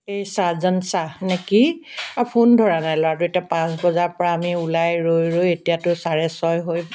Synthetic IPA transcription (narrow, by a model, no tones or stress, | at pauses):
ejsazɔnsanekiapʰundʱɔɹanajlɔwatʊetiapãs̬bɔzaɹpɔɹaːmiulajɹojɹojetijatʊsaɹɛsɔjɦoj